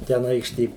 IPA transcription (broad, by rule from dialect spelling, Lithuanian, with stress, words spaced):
tʲɛn ˈɐɪkʃʲtʲeː